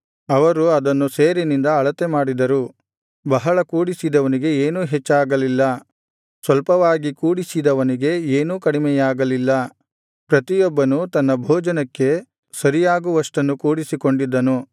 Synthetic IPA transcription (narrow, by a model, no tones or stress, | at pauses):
ɐʋɐɾuɐd̪ɐnːuseːɾinind̪ɐːɭɐt̪emaːɽid̪ɐɾu | bɐɦɐɭɐkuːɽisid̪ɐʋɐniɡe̞eːnuːɦet͡ʃːaːɡɐlilːɐ | sʋɐlpɐʋaːɡikuːɽisid̪ɐʋɐniɡe̞eːnuːkɐɽimɛjaːɡɐlilːɐ | pɾɐt̪ijɔbːɐnut̪ɐnːɐbʱɔːd͡ʒɐnɐkːe̞ | sɐɾijaːɡuʋɐʂʈɐnːukuːɽisiko̞ɳɖid̪ːɐnu